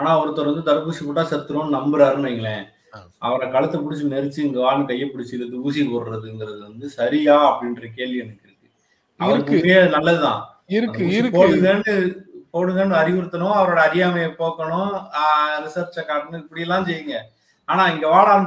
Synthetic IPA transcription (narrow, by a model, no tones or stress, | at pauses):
aːnaːɐʋɐɾɯt̪ːɔɾʋɐnd̪ɯt̪ɐɾɐpuːsipʊʈːaːsɛɾt̪ːɯɽʊ̃ːnnɐmbɐɾɐɾɯmɐːŋɡɐɭɛ̃ː | ɐ̰ʋɐɾɐkɐɭɐt̪ːɐpʊɽɪt͡ʃːɯnɛɾɯt͡ʃːɯɪŋɡɐʋaːnɯkɐjːɐpːʊɽɪt͡ʃːɯɾɐðɯuːsikɔɾɾɐðɯɪŋɡɪɾɐðɯʋɐnd̪ɯsɐɾɪjaːɐpːɐɽɪnrɐkeːlʋiɐnɐkːɪɾɯkːɯ̥ | ɐ̰ʋɐɾkːmeɐnɐlːɐðɯt̪ã̰ː | ɪɾɯːɪɾɯkpːoːɽɯŋɡɐɳɖɯpoːɽɯŋɡɐɳːɯɐɾɪɣʊɾɯt̪ːɐɳʊ̃ɐʋɐɾoːɽɐɐɾɪjaːmɐjɐpoːkːɐɳʊ̃ | ɾɪsɐɾt͡ʃɐkaːʈnɯɪpːɐɽɪjɛlːãːsɛjːɯŋɡɐ | aːnãːɪŋɡɐʋaːɽaːn